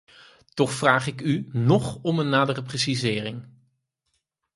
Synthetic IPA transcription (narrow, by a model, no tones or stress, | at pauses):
tɔχfraːχɪkynɔχɔmənːaːdərəpresizɪːrɪŋ